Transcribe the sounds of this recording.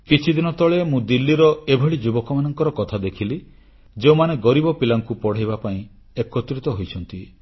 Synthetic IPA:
kit͡ʃʰid̪inɔt̪ɔɭemũd̪ilːiɾɔebʱeɭid͡ʒubɔkɔmanɔŋkɔɾɔkɔt̪ʰad̪ekʰili | d͡ʒeumaneɡɔɾibɔpilaŋkupɔɽ̤ajβapaĩ | ekɔt̪ɾit̪ɔɦojt͡ʃʰɔnt̪i

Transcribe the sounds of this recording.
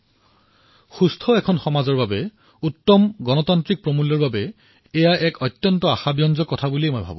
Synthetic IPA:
xustʰɔɛkʰɔnxɔmazɔɹbabɛ | utːɔmɡɔnɔtantɹik̚pɹomulɔɹbabɛ | ɛjaʔɛkɔtːjɔntɔaxabijɔnzɔkːɔtʰabuliejmojbʱa̰bʊ̰̃

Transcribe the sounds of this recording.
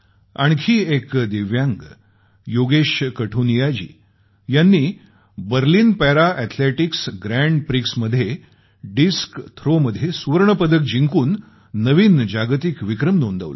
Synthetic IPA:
a̰ɳkʰiːekd̪eʋjãŋɡ | joɡeɕkəʈʰunijad͡ʑḭː | janːiː | bəɾliːnpɛɾaʔɛt̪ʰleʈiksɡɾæɳɖpɾiksməd̪ʱje | ɖiskt̪ʰɾoməd̪ʱːjesuʋəɾɳəpəd̪ək̚d͡ʑiŋkuːnː | əʋiːnd͡ʑaɡt̪ikʋikɾəmnõnd̪ə̰ʋlə̰

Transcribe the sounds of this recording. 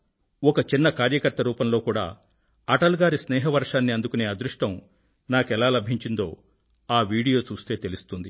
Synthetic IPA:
ɔkɐt͡ʃinːɐkaːɾjɐkɐɾt̪ɐɾuːpɐmlo̞ːkuːɽa̰ː | ɐʈɐlɡaːɾisnɛːɦɐʋɐɾʂaːnːiɐnd̪ukune̞ːɐd̪ɾuʂʈɐm | naːkɛlaːlɐbʱiɲt͡ʃind̪o̞ː | aːʋiːɽijo̞ːt͡ʃuːst̪e̞ːt̪elust̪und̪i

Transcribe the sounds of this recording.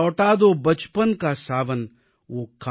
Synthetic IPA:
ɔːʈaːd̪oːbɐt͡ʃpənkasaːʋən | ʋoːka

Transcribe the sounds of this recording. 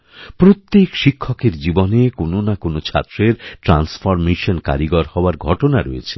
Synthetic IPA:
pɾot̪ːekʃikʰːokeɾd͡ʑibonekononakonot͡ɕʰa̰t̪ːɾeɾʈɾansfɔɾmeʃonka̰ɾiɡɔɾhɔoaɾɡʱɔʈonaɾojet͡ɕʰe̥

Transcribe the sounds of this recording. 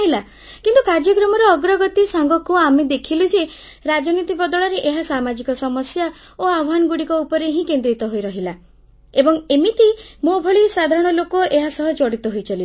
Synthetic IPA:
ɦila | kint̪ukaɾd͡ʒjɔkɾɔmɔɾɔɔɡɾɔɡɔt̪isaŋɡɔkuamed̪ekʰilud͡ʒe | ɾad͡ʒɔnit̪ibɔd̪ɔɭɔɾeʔeɦasamad͡ʒikɔsɔmɔsja | oabɔɦanɡuɽikɔupɔɾeɦĩkend̪ɾit̪ɔɦojɾɔɦila | ebɔŋemit̪imobʱɔɭisad̪ʱaɾɔɽ̃ɔlokɔʔeɦasɔɦɔt͡ʃɔɽit̪ɔɦojt͡ʃɔli

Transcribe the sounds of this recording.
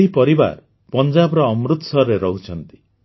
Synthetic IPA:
ɦipɔɾiba̰ɾ | pɔnd͡ʒabɾɔːmɾut̪sɔɾeɾɔɦut͡ʃʰɔnt̪i̥

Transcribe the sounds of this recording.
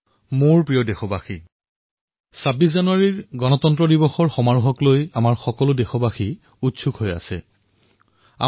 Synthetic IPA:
moɹpɹijɔdexɔbaxi | sabis̬zanuaɹiɹɡɔnɔtɔntɹɔdibɔxɔɹxɔmaɹuɦɔklojamaɹxɔkɔlʊdexɔbaxi | utsukɦoja̰sɛ̰ | a̰

